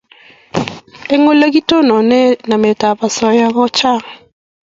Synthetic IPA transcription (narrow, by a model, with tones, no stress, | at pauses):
e˦ŋo˦la˦ɡi˦to˦nɔ˨nɛ˦na˨me˨ta˨pa˨sɔ˨ja˦ɣɔ˦t͡ʃa˦˨ŋ